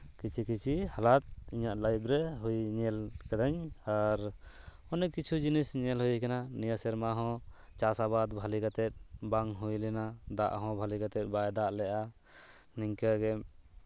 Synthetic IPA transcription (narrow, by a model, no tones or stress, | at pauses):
kit͡ʃʰikit͡ʃʰihalat̪̚iɲaʔlajbɾɛɦujɲɛlkad̪aɲaɾ | ɔnɛkit͡ʃʰud͡ʒinisɲɛlɦujkananijasɛɾmaɦɔ̃ | t͡ʃasabad̪bʱalikat̪ɛt̪̚ˀbaŋɦujlɛnad̪a̰ʔɦɔ̃bʱalikat̪ɛt̪̚ˀbajd̪aʔlɛʔa | niŋkaɡɛm